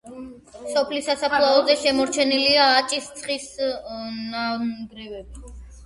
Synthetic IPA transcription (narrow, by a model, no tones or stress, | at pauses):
sɔpʰlisasapʰlˠaɔzɛʃɛmɔɾt͡ʃʰɛniliaːt͡ʃʼist̪sʰχis | naɡɾɛvɛbi